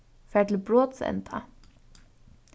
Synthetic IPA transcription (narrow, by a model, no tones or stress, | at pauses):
fæːʈl̩bɾoːt̪sɛ̰nt̪ʰɑ̰